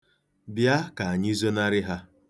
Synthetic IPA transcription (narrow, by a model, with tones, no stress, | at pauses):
bja˦ka˨a˨ɲ˦i˦zo˦na˦ɾɪ˦ɦa˦